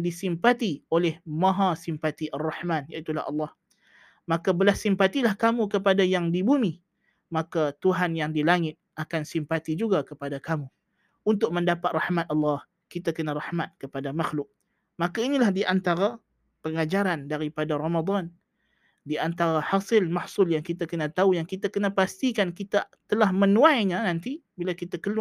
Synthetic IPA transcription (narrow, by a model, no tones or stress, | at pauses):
disimpat̪iolɛhmãɦãsimpat̪iʔarˤːɑħmãnjaʔit̪ula̰hɑ̰lːɑh | makabəlahsimpat̪ilahkamukəpadajaŋdibumi | makat̪uɦanjaŋdilaŋɪt̪̚akansimpat̪id͡ʒuɡakəpadakamu | unt̪ʊk̚məndapat̪̚rɑħmat̪̚ʔɑlːɑh | kit̪akənaɾahmat̪̚kəpadamaxlʊk̚ | makainilahdiʔant̪aɾa | pəŋad͡ʒaɾandaɾipadaɾamad̪ˤɑn | diant̪aɾahasɪlmahsʊljaŋkit̪akənat̪aujaŋkit̪akənapast̪ikankit̪a | t̪əlahmənũajɲãnant̪ibilakit̪akəlu